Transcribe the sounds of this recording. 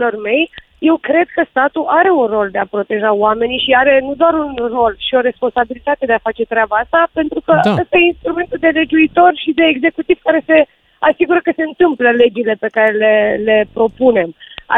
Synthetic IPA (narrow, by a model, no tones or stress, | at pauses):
lo̞rme̞j | je̞wkɾe̞d̪̚kəst̪at̪uʔaɾe̞unro̞ld̪e̞apɾo̞t̪e̞ʒaoame̞nijʃiaɾe̞nud̪oaɾunro̞lʃio̞ɾe̞spo̞nsabilit̪at̪e̞d̪eafat͡ʃe̞t̪ɾʲabaast̪ape̞nt̪ɾukəəst̪ajeinst̪ɾume̞nt̪uld̪e̞le̞d͡ʒuit̪o̞rʃid̪e̞ːɡze̞kut̪iv̥kaɾe̞se̞ | asiɡuɾəkəse̞ɨnt̪ɨmpləle̞d͡ʒile̞pe̞kaɾe̞le̞le̞pɾo̞pune̞ma̰